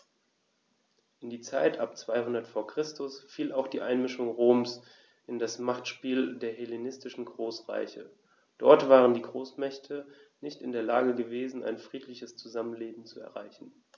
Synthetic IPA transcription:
ʔɪndiːt͡saɪtʰʔapt͡sv̥aɪhʊndɐtfoːɐkʁ̥ɪstʰʊsfiːlaʊxd̥iːʔaɪnmɪʃʊŋʁoːms | ʔɪndasmaχtʃpiːldeːɐɦelenɪstɪʃn̩ɡʁoːsʁa̰ɪçə̰ | d̥ɔɐtv̥aːʁ̞əndiːɡʁoːsmɛçtʰənɪçtɪndeːɐlaːɡəɡəveːzn̩ʔa̰ɪnfʁ̥iːtʰlɪçəst͡suzamənleːbm̩t͡suɛ̰ɐʁa̰ɪçn̩

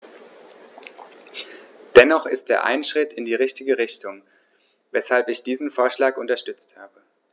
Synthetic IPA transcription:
d̥ɛnɔχɪstd̥eːɐʔa̰ɪnʃʁ̥ɪtɪndiːʁɪçtɪɡəʁɪçtʊŋ | vɛshalpɪçd̥iːzn̩foːɐʃlaːkʔʊntɐʃtʏt͡sthaːbə

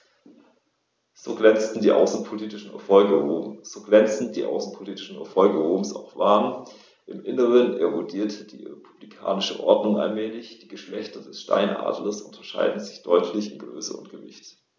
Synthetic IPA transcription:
z̥oːɡʁɛnt͡stn̩diːʔa̰ʊsn̩pʰoliːtɪʃn̩ɛ̰ɐfɔlɡəʁoːmz̥oːɡlɛnt͡sn̩d̥iːʔa̰ʊsn̩pʰoliːtɪ̥ʃn̩ɛ̰ɐfɔlɡəʁoːmsa̰ʊxv̥aːn | ʔɪmʔɪnəʁənʔeʁʊdiːɐtʰəd̥ḭːʁḛpʰu̥b̥likʰa̰ːnɪʃə̰ʔɔɐdnʊŋʔa̰lmɛːlɪçd̥iːɡəʃlɛçtɐdɛsʃta̰ɪnʔa̰ːdl̩əsʔʊntʰɐʃa̰ɪdn̩zɪçd̥ɔʏtʰlɪçɪnɡʁø̰ːsəʊ̰ntɡ̥əvɪ̰çt

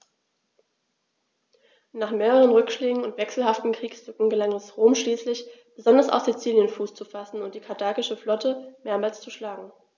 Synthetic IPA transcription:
naːχmeːʁəʁənʁʏkʃleːɡŋ̩ʊntv̥ɛksl̩haftn̩kʁ̥iːkstʏkŋ̩ɡəlaŋɛsʁoːmʃliːslɪçb̥əzɔndɐsa̰ʊfz̥it͡siːljənfuːst͡sufasn̩ʊntd̥iːkʰaɐdaːkɪʃəflɔtəmeːɐmaːlst͡suʃlaːɡŋ̩

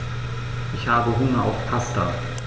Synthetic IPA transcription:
ʔɪçhaːbəɦʊŋɐa̰ʊfpʰastɐ̰

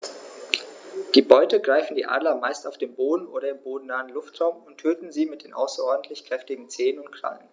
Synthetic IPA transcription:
d̥iːbɔʏtəɡʁaɪfn̩dḭːʔa̰ːdlɐmaɪstaʊfd̥eːmboːdn̩ʔoːɾɐɪmboːdn̩naːənlʊftʁ̥aʊmʊntʰøːtn̩ziːmɪt̚d̥eːnʔa̰ʊsɐʔɔɐdn̩tʰlɪçkʁ̥ɛftɪɡŋ̩t͡seːənʊnt̚kʰl̥a̰n̩

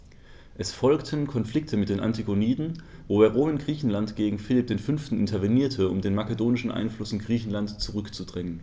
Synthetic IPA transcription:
ʔɛsfɔlktʰənkʰɔnfl̥ɪk̚tʰəmɪt̚d̥eːnʔa̰ntʰiɡoniːdn̩voːeːɐʁoːmɪnɡʁiːçn̩lantɡ̥eːɡŋ̩fɪlɪp̚d̥eːnfʏnftn̩ʔɪntʰɐveniːɐtʰəʊ̰mdeːnmakədoːnɪʃn̩ʔa̰ɪnflʊsɪnɡʁiːçn̩lantt͡suʁʏkt͡sudʁɛŋən

